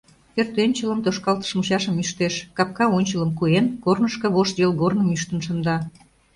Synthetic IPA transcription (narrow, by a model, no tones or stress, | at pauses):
ert̪enʲt͡ɕələmt̪oʃkɑlt̪ə̥ʃmut͡ɕɑʃəmyʃt̪eʃkɑp̚kɑonʲt͡ɕələmkuenkornəʃkɤ̆βoʃt̪βelɣornəmyʃt̪ənʃə̆nd̪ɑ